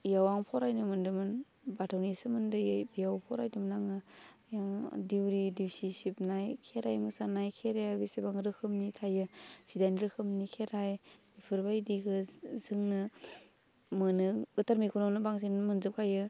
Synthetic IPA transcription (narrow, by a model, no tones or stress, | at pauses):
jawaŋpʰɔɾajnɯmɯndɯmɯn | batʰawnisɯmɯndɯjabijawpʰɔɾajdɯmnaŋɯjamdiwɾidiwsisip̚najkʰeɾajmɯsanajkʰeɾeabisebaŋɾɯkʰɯmnitʰajɯsidajnɾɯkʰɯmnikʰeɾajbipʰɯɾbajdiɡɯzɯŋnɯ | mɯnɯɡɯtʰaɾmikʰunonɯbaŋsinmɯnzɯp̚kʰajɯ